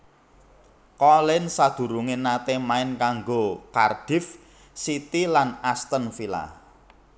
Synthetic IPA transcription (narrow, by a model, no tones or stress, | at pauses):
kɔlɪnsad̪̥ṳɾuŋɪnat̪emaɪnkaŋɡokard̪̥ɪ̤f | sit̪ilanast̪ənfila̰